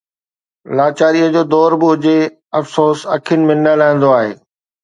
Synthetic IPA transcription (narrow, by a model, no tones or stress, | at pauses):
laːt͡ɕaːɾijəd͡ʑoːd̪ɔːɾbɪɦʊd͡ʑe | ɐfsoːsɐ̰kʰiənɪ̆mɪnəlaːĩn̆d̪oaːɦḛː